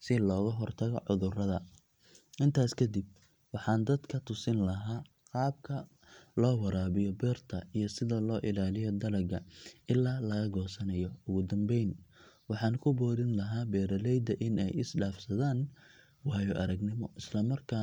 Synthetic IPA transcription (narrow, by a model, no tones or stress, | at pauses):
sɪlɔːɣɐɦɔrt̪ʰɐɣɔʕʊðʊrɐðɐ | ʔɪnt̪ʰaːskʰɐd̪ib̚ | wɑħɑːnd̪ɐd̪kʰɐt̪ʰʊsɪnlɐɦaː | qɑːbkʰɐ | lɔːwɐɾaːβɪjɔbɛːrt̪ʰɐijɔsɪðɐlɔːʔɪlaːlɪjɔd̪ɐlɐɡɐɪlːaːlɐɣɐɡɔːsɐnɐjɔʊɣʊd̪ɐmbɛjn | wɑħɑːnkʰʊbɔːðɪnlɐɦaːbɛːɾɐlɛjd̪ɐʔɪnɛ̰jɪsɖaːfsɐðaːn | wɑːjɔʔɐɾɐɡnɪmɔʔɪslɐmɐrkʰaː